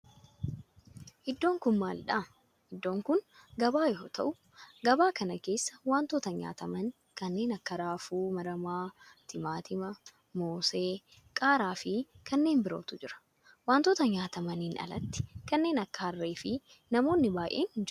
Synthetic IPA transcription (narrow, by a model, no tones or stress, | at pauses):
ʔɪd̪ːo̞ːŋkʊnma̰ːlᶑaː | ʔɪd̪ːo̞ːŋkʊnɡɐbaːjɛɦot̪ɐʔʊ | ɡɐbaːkɐnɐke̞ːsːɐwaːnt̪oːt̪ɐɲa̰ːt̪ɐmɐn | kɐnːe̞ːnɐkːɐɾaːfuːmɐɾɐmaːt̪ʰɪmaːt̪ʰɪmɐ | moːseː | kʼaːɾaːfɪkɐnːe̞ːmbɪɾo̞̰ːt̪ʊd͡ʒɪɾɐ̥ | waːnt̪oːt̪ɐɲaːt̪ɐmɐniːnʔɐ̰lɐ̰t̪ːɪ̥kɐnːe̞ːnɐkːɐɐrːeːfɪ | nɐmoːnːɪbaːʔeːnhɪnd͡ʒɾ